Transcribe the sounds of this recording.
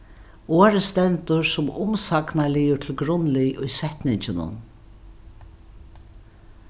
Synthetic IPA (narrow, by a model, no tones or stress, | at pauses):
oːɾəst̪ɛnt̪ʊɹsʊmʊmsaknalɪjʊt̪ʰɪlɡɾʊnlɪjʔʊjsɛht̪nɪɲt͡ʃɪnʊ̰n